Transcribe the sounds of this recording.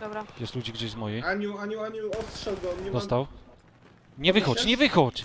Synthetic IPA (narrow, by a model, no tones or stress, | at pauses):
d̪ɔbɾajɛst̪lud͡ʑiɡd͡ʑeɕzmɔjɛjaɲuaɲuaɲuɔstʂɛɡɔɔnɲɛd̪ɔst̪aw | ɲɛvɘxɔt͡ɕɲɛvɘxɔt͡ɕ